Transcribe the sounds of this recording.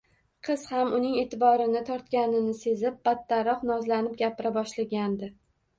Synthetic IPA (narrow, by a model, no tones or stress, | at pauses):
qʰɨz̥hamʊnɪŋe̞t̪ʰɪbɒɾɪnɪt̪ʰɒɾt̪̚kʲanɪnɪse̞zɪp̚b̥at̪ːaɾɒqnɒzlanɪp̚ɡʲapʰɪɾabɒʃlaɡʲand̪ɪ